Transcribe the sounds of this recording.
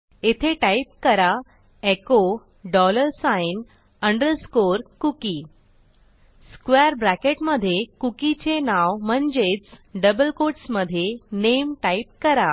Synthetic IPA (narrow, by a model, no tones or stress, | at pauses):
et̪ʰeʈaip̚kəɾa | eko | ɖɔləɾsajin | əɳɖəɾskoɾkuki | skʋeɾbɾækeʈməd̪ʱːjekukit͡ɕenawmənd͡ʑet͡sɖəbəlkoʈsməd̪ʱːjenemʈaip̚kəɾa